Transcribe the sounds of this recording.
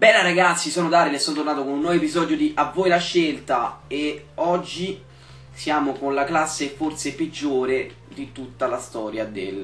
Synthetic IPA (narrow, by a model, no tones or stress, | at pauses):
bɛlːaɾaɡat̪sːisɔːnod̪aːɾelɛsːɔːnot̪ornaːt̪okonunːwɔvoepizɔːd̪jod̪iʔavːoːjlaʃːelt̪ae | ɔd͡ʒːi | sjaːmokonlaklasːefort̪seped͡ʒːoːɾe | d̪it̪ut̪ːalast̪ɔːɾjad̪ḛl